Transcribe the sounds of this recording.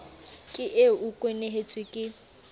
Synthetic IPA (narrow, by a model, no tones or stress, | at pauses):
kʼɪʔeʊkʼweneɦet͡sʼwɪkʼɪ